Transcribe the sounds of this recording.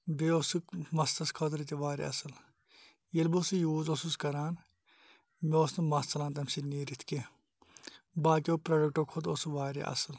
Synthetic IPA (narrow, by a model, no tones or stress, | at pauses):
beosukmɐst̪ɐskʰɐt̪ɾit̪iʋaːɾḛɐ̰sɐl | jelbusujuːzosuskɐɾaːn | meoːsnumɐst̪ɐlãːnt̪̬ɐmsineːɾit̪ʰke | baːk̬ioːpɾɐɖɐk̚ʈoːkʰot̪osuʋaːɾḛʔɐ̰səl